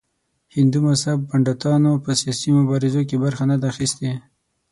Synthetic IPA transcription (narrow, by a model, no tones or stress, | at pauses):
hɪnd̪umashab̚baɳɖat̪ɑnopəsijɑsimʊbɑɾɪzok̬ebaɾxanad̪aːxist̪e